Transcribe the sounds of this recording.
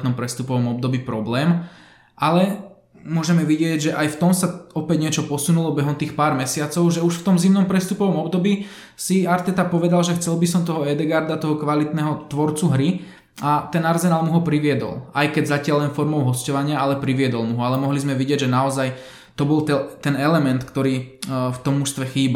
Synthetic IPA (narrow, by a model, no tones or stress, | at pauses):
t̪nɔmpɾɛst̪upɔʋɔmɔb̚d̪ɔbiːpɾɔblɛːm | ʔalɛ | mʊɔʒɛmɛʋiɟɪɛɟʒɛʔajft̪ɔmsaɔpɛɟɲɪɛt͡ʃɔpɔsunulɔbɛɦɔmt̪iːxpaːɾmɛsɪat͡sɔʊʒɛuʃft̪ɔmzimnɔmpɾɛst̪upɔʋɔmɔbd̪ɔbiː | siaɾt̪ɛt̪apɔʋɛd̪alʒɛxt͡sɛlbisɔmt̪ɔɦɔɛːd̪ɛɡaɾd̪at̪ɔɦɔkʋalit̪nɛɦɔt̪ʋɔɾt͡suɦɾi | at̪ɛnaɾzɛnaːlmuɦɔpɾiʋɪɛd̪ɔ̰lajkɛɟzacɪalɛnfɔɾmɔʊɦɔscɔʋaɲɪaalɛpɾiʋɪɛd̪ɔlmuɦɔalɛmɔɦlizmɛʋiɟɪɛɟʒɛnaɔzaj | t̪ɔbɔlt̪ɛt̪ɛnɛlɛmɛnt̪kt̪ɔɾiːft̪ɔmːuʃst̪ʋɛxiːb